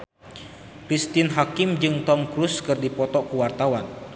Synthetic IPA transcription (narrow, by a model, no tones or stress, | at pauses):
kɾist̪ɪnɦakɪmd͡ʒɨŋt̪ɔmkɾuskɨrdipɔt̪ɔkəwart̪awan